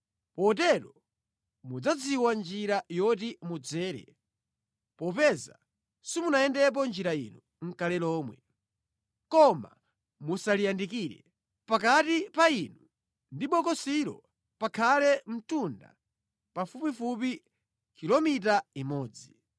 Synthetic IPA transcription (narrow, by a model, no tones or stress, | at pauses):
pɔt̬ɛɾɔ | mud͡zad͡ziwand͡ʒiɾajɔtimud͡zɛːɾɛ̰ | pɔpɛza̰ | simunajɛndɛp̬ɔnd͡ʒiɾaḭnu | ŋ̩kalɛlɔːmwɛ | kɔma̰ | musalijandikiːɾɛ̰ | pak̬atipainu | ndiɓɔkɔsiɾɔ̰ | pakʰalɛm̩tunda̰ | pafupifup̬i | kʰilɔmit̬aimɔːd͡zi